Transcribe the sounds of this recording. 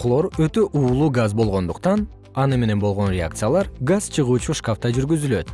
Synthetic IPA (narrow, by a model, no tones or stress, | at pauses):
qlˠo̞ɾøt̪ø̞ʔuːlˠuːɡazbo̞lˠʁo̞nd̪uqt̪ɑn | ɑnɯme̞ne̞nbolˠʁo̞nrʲea̰k̚t̪sɨjalˠɑɾɡazt͡ʃʰɯʁuːt͡ʃuʃkaft̪ɑd͡ʒyɾɡyzyløt̪